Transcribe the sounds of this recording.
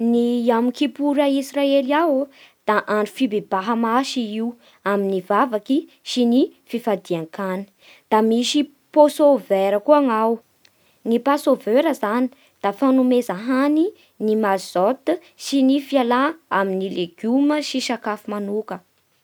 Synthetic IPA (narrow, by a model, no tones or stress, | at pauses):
niamikipuɾaisraeliawd̪̥aʔaɳɖ͡ʐu̥fibeb̥aɦəmaʃiiu | aminivavaki | sinififad̪iaŋkani̥ | d̪̥amiʃi | posoveɾəkuaŋaw | nipasovøɾəzani | d̪̥afanumezaɦani | nimazot̪ | ʃinifialaaminileɡ̥uməʃiʃakafumanukə